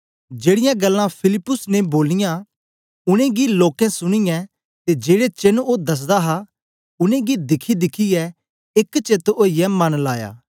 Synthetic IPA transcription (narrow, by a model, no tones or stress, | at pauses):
d͡ʒeːɽɪjãɡɐlːãpʰɪlɪpːʊsneboːlɪjã | ʊɽ̃ẽɡiloːkɛ̃sʊɽ̃ijɛ̃ | t̪ed͡ʒeːɽet͡ʃenod̪ɐs̬d̪aɦa | ʊnẽɡid̪ɪkʰid̪ɪkʰiɛ | ɪkt͡ʃet̪oːijɛmɐnlaːja̰ː